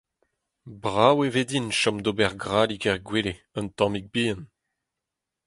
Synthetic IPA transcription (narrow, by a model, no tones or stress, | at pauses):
bʁaweved̪inʃɔ̃md̪obɛʁɡʁaːlikɛʁɡweːle | ə̃nt̪ɑ̃mik̚biən